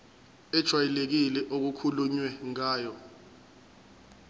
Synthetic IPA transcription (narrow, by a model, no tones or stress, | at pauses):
ɛd̥ʒ̥ʱwajilek̬ilɛʔok̬ukʰuluɲwɛŋaːjɔ